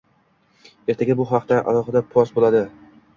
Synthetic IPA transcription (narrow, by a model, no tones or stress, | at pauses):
e̞ɾt̪ʰaɡʲabʊɦɑqt̪aʔa̰lˠɒχɨd̪apʰɒsbolad̪ɪ